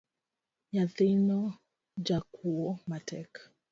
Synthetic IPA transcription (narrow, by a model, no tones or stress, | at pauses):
jaðinɔ | d͡ʒakʰuɔmatɛk